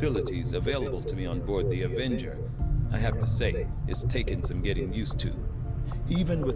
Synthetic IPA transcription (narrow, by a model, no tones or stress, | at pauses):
ɪlˠəɾizɨveɪlˠəbl̩ˠtʰɨmiə̃nbɔɹd̪̚ðiɨvɛ̃nd͡ʒə̰˞ | aɪɦæftʰɨseɪɨ̰tz̥tʰeɪkɨ̃nsʌ̃mɡɛɾɪ̃ŋjʉstʰʉ̰ | ivɨ̃nwɨ